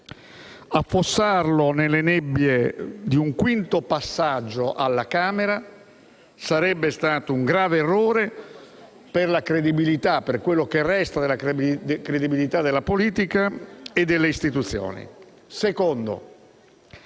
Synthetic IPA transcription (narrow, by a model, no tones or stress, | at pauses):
afːosːarlonelːenebːjed̪iuŋkwint̪opasːad͡ʒːoʔalːakaːmeɾa | saɾɛbːest̪aːt̪ouŋɡɾaːveːrːoːɾe | perlakɾed̪ibilit̪apːerkwelːokerːɛst̪ad̪elːakɾed̪ibilit̪ad̪ːelːapoliːt̪ikaed̪ːelːeist̪it̪ut̪sːjo̰ːnḭ | sekond̪o̰